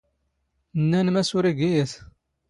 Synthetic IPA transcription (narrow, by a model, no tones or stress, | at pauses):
nːænmæsʊɾiɡijəθ